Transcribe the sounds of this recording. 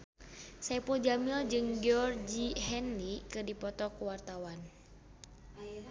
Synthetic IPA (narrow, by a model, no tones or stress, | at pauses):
saipuld͡ʒamild͡ʒɨŋɡɔrd͡ʒiɦɛnlikɨrdipɔt̪ɔkuwart̪awan